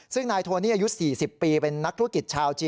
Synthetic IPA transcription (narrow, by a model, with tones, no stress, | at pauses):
sɯ˥˩ŋnaː˧jt̪ʰoː˧niː˥˩ʔaː˧ju˦˥siː˨˩si˨˩pːiː˧pe˧nːa˦˥k̚t̪ʰu˥ə˩ki˨˩t̪̚t͡ɕʰaː˧wt͡ɕiː˧